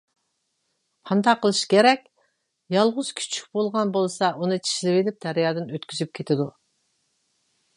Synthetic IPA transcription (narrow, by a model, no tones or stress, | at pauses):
pʰɑnt̪ʰɑqʰəlˠɨʃkʲʰeɾɛkʲ | jɑlˠʁʊz̥kʲʰy̥t͡ʃʰy̥k̚ʲbolˠʁɑnbolˠsɑʔunɨt͡ʃʰi̥ʃlɪwelɪp̚d̪̥æɾjɑːd̪ɨnøt̪kʲʰyzyp̚kʲʰet̪ʰɪd̪u